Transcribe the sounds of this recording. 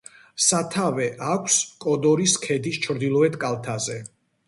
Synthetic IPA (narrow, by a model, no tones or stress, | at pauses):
sat̪ʰavɛʔakʷʰskʼɔd̪ɔɾiskʰɛd̪ist͡ʃʰɾd̪ilˠɔɛt̪kʼalˠt̪ʰazɛ